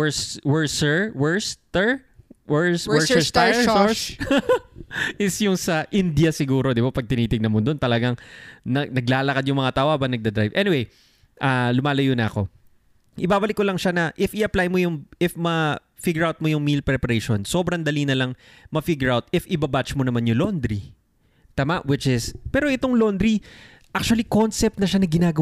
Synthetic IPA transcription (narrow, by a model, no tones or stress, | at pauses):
wɛswɛɹsɛɹwɛɹst̪ɛɹ | wɛɹswwɛɹsɛt̪asos | ʔɪsjʊŋsɐʔɪnd̪jɐsɪɡuːɾo̞d̪ɪbapɐɡ̚t̪ɪniːt̪ɪɡ̚nɐnmod̪ont̪ɐlɐɡaŋnɐɡnɐɡlaːlɐkɐd̪jʊŋmɐŋat̪aʔoɐbɐnɐɡ̚d̪ɐd̪ɾajvʔɛnɪwej | ʔaːlʊmaːlɐjonɐɐko̞ | ʔɪbaːbɐlɪkːolɐŋʃanɐʔɪfɪʔɐplajmojʊŋɪfmɐ | fiɡjʊɹawt̪̚mojʊŋmilpɾɛpɐɾejʃonso̞bɾɐŋd̪ɐlinɐlɐŋ | mɐfiɡjʊɹawt̪ɪfʔɪbabat͡ʃmonɐmanjʊlond̪ɾi | t̪aːmaʔwɪt͡ʃɪspɛːɾo̞ʔɪt̪oŋlo̞nd̪ɾi | ʔak̚t͡ʃuɐlikonsɛp̚t̪̚nɐʃanɐɡɪnaːɡ